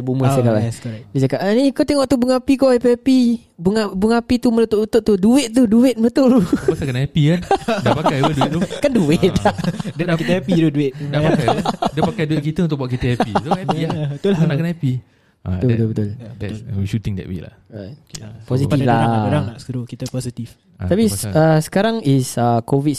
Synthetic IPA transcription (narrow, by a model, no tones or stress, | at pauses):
buməsakaabisakaʔanikot̪eŋɔʔt̪ubuŋapikɔʔapiapi | buŋabuŋapit̪umələt̪ʊʔlut̪ʊʔt̪uduɪʔ̪̚t̪uduɪt̪̚məət̪olasakənaapikandapakajoduɪt̪̚ukanduwɪʔ̪̚ddakit̪ːpit̪uduɪt̪dapakadiəpakajduɪʔ̚kit̪əunt̪ʊk̚baaʔkit̪əapiaiat̪ulanakənapi | at̪ubət̪ʊlbət̪ʊlədɛʃut̪ɪŋdɛ̰ʔwḭla̰hɹajkpos̬iiflaɾaŋaskəɾokit̪əposit̪if | t̪apiəsə̥kaɾaŋisəkovit̪